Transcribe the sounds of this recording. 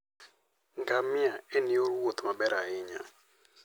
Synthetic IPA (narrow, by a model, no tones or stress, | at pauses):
ŋɡamiaenioɾwot̪ʰmaɓɛɾaiɲa̰